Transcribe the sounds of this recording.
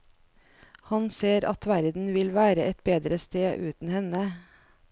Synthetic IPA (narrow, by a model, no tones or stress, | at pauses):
hɑnseːɾɑ̰t̪ʋæɾd̪n̩ʋɪlʋæːɾəʔɛt̪̚beːd̪ɾəst̪eːʔʉːt̪n̩hɛnə